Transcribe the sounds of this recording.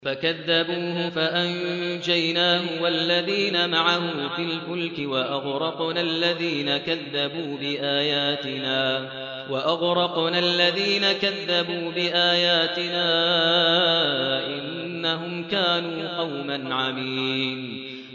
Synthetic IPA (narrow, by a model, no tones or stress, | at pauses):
fakaðːabuːhʊfaʔand͡ʒajnaːɦʊwalːaðiːnamaʕahʊmfɪlmʊlkɪwaʔaɣɾˤɑqnalːaðiːnakaðːabuːbɪʔaːjaːt̪ɪnaː | waʔaɣɾˤɑqnalːaðiːnakaðːabuːbɪʔaːjaːt̪ɪnaː | ʔɪnnːaɦʊmkaːnuːqɑwmanʕamiːn